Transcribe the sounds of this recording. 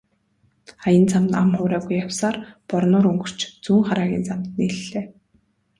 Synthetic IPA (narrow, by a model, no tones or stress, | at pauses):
ajə̆nt͡samt̪amχʊːɾæːɣujːawsaːrpɔrnʊːɾɵŋɡɵ̆r̥t͡ɕt͡suːŋχaɾaːɣʲḭːnt͡samt̪niːɮːeː